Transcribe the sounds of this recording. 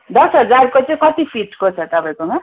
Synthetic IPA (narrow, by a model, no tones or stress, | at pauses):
d̪ʌsɦʌd͡zarkot͡sʌ̃kʌt̪ipʰiʈkot͡sʰʌt̪ʌpãj̃koma